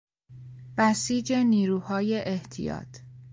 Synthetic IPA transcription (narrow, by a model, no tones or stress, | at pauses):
b̥æsiːd͡ʒe̞niːɾuːhɒːje̞ʔeht̪ʰijɒ̰ːt̪ʰ